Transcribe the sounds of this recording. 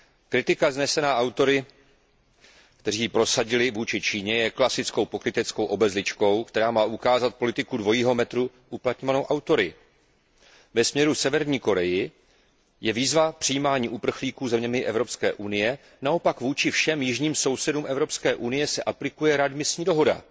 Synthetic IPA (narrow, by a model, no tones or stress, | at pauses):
kɾɪt̪ɪkaznɛsɛnaːʔawt̪o̞ɾɪ | kt̪ɛr̝iːpɾo̞saɟɪlɪvuːt͡ʃɪt͡ʃiːɲɛjɛklasɪt͡sko̞wpo̞kɾɪt̪ɛt͡sko̞wʔo̞bɛzlɪt͡ʃko̞wkt̪ɛɾaːmaːʔukaːzat̪̚po̞lɪt̪ɪkudvo̞jiːɦo̞mɛt̪ɾu | ʔuplat̪ɲo̞vanowʔawt̪o̞ɾɪ | vɛsmɲɛɾusɛvɛɾɲiːko̞ɾɛjɪ | jɛviːzvapr̥ɪjiːmaːɲiːʔupr̩xliːkuːzɛmɲɛmɪʔɛvɾo̞pskɛːʔunɪjɛ | nao̞pakvuːt͡ʃɪfʃɛmjɪʒɲiːmso̞wsɛduːmʔɛvɾo̞pskɛːʔunɪjɛsɛʔaplɪkujɛɾadmɪsɲiːdo̞ɦo̞da̰